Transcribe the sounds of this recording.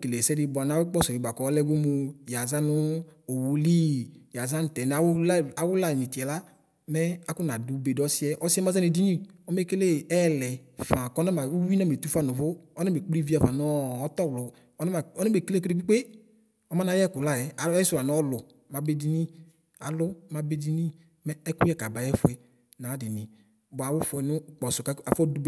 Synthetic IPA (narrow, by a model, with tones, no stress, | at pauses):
ke˨le˨sɛ˦di˧ba˨n˨a˦wk͡pɔ˦sɔ˨i˨ba˨kɔ˨˦lɛ˦ɡo˦mu˧ja˨za˦nʊ˦o˨wu˨li˦ja˨za˦n˨tɛ˨n˨a˨˦la˨wʊ˦la˦˨ni˨ti˨ɛ˨la˦ | mɛ˦a˨kʊ˦n˨a˨du˨˦be˨dɔ˦si˦ɛ˦ʔɔ˦si˦ɛ˦ma˦za˦ne˨di˦ni˦ɔ˦m˦e˦ke˦le˦ɛ˦˨lɛ˨fã˨kɔ˦na˦ma˨u˦wi˦na˦me˨tu˦fa˦nu˨vʊ˦ɔ˦nɛ˦be˨k͡pli˦vi˦a˨va˨n˦ɔ˦ɔ˦tɔ˦˨wlʊ˨˦ | a˨ɔ˦nɪ˦be˨ke˦lke˦e˦ɡ͡bi˦k͡pe˦ | ɔ˦ma˦na˨˦jɛ˦kʊ˨la˦˨jɛ˨a˨˦ɛ˦sʊ˨a˨n˦ɔ˦lʊ˨ | ma˨be˦di˨ni˦ | a̰˨lʊ˦ma˨be˦di˨ni˦ | mɛ˦ɛ˦kʊ˦jɛ˦ka˨ba˨jɛ˦fʊ˨˦˨ɛ˦ | nã˨˦dɪ˨nɪ˨ | bɔ˨a˨wʊ˦fʊ˨ɛ˨nʊ˦˨k͡pɔ˨sʊ˨ka˦a˨fɔ˦du˦b